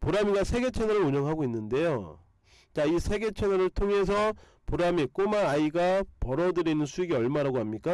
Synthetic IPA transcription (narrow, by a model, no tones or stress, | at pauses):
puɾamiɡasʰe̞ɡe̞t͡ɕʰe̞nʌɾɯɾuɲʌŋɦaɡoinːɯnde̞jo | t͡ɕaisʰe̞ɡe̞t͡ɕʰenʌɾɯɭtʰoŋɦe̞s̬ʰʌ | puɾamek͈omaaiɡapʌɾʌdɯɾinɯnsʰuiɡiʌɭmaɾaɡoɦamɲik͈a